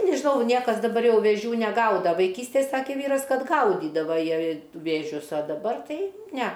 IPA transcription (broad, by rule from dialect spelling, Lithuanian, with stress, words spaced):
nʲɛʒʲɪˈnɐʊ ˈnʲiɛkɐs dɐˈbɐr ˈjɛʊ ʋʲeːˈʒʲuː nʲɛˈɡɐʊdɐ ʋɐɪˈkʲiːsʲtʲeːj ˈsɑːkʲeː ˈʋʲiːrɐs ˈkɐt ˈɡɐʊdʲiːdɐʋɐ ˈjiɛ ʋʲeːˈʒʲʊs ɐ dɐˈbɐr ˈtɐɪ nʲɛ